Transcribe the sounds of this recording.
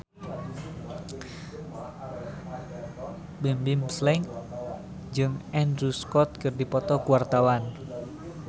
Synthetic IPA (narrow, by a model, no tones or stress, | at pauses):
bimbimslɛŋ | d͡ʒɨŋɛndɾuskɔt̪̚kɨrdipɔt̪ɔkuwart̪awan